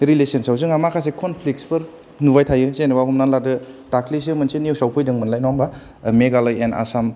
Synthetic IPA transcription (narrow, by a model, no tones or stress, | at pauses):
ɾilesensawzɯŋamakʰas̬ekʰonpʰlik̚spɯɾ | nubajtʰajɯsenebaɦɔmnanladɯtaklisemɐnsenijuwsawpʰɯjdɯŋmɯnlajnɔmba | meɡalajena̰sam